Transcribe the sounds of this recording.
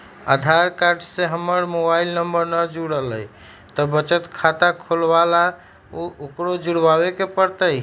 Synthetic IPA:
a̰d̪ʱaɾkaɾɖseɦəməɾmobailnəmbəɾnəd͡ʒuɽəɦləj | t̪ɔbət͡ʃət̪kʰat̪akʰolbala | ookɾod͡ʒuɽbabekepəɾt̪əj

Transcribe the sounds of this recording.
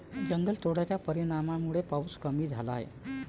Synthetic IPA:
d͡ʑəŋɡəlt̪ʰoɽjat͡ɕjapəɾiɽ̃amamuɭepawskəmiːd͡zʱalaɦḛ

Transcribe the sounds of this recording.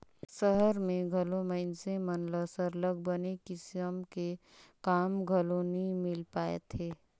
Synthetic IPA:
səɦəɾmẽɡʱəloməɪnsẽmənləsəɾlək̚bənekɪsjəmke | kaːmɡʱəlonimɪlpaːḛt̪ʰeː

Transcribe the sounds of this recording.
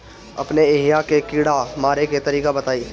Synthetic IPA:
ɐ̰pneːɦijakekiːɽamaːɾeket̪ɐɾiːkabɐt̪aːiː

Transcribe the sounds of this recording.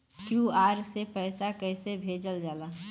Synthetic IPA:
kjuaːɾsepəːsakɛɪsebʱed͡ʒəld͡ʒaːlaː

